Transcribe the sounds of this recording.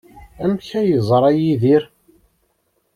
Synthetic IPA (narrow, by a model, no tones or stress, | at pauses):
æmçæjəzˤɾˤɑjiðiɾ